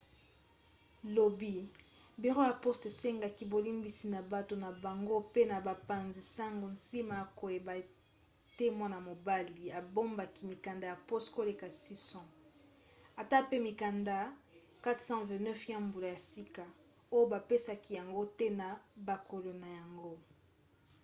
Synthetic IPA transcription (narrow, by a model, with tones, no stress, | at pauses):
lo˨bi˦ | bi˨ʁo˦ja˨po˦ste˨se˦ŋɡa˨ki˨bo˨li˦mbi˨si˨na˨ba˨to˨na˨ba˨ŋɡo˦pe˦na˨ba˨pa˨nzi˨sa˦ŋɡo˨nsi˦ma˨a˨ko˨je˨ba˨ | te˦mwa˦na˨mo˨ba˦li˨a˨bo˦mba˨ki˨mi˨ka˨nda˨ja˨po˦stko˦le˨ka˨si˦sɔ̃˦˨ | a˨ta˦pe˦mi˨ka˨nda˨ | ka˦tsɑ̃˦vɛ̃˨nɛ˦fjã˦mbu˨la˨ja˨si˦ka˨ | o˦jo˦ba˨pe˦sa˨ki˨ja˨ŋɡo˦te˦na˨ba˨ko˨lo˨na˨ja˨ŋɡo˦